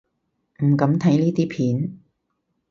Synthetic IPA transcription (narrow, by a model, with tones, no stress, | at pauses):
m̩˨˩kɐ˨˥mt̪ʰɐ˨˥jniː˥t̪iː˥pʰiː˨˥n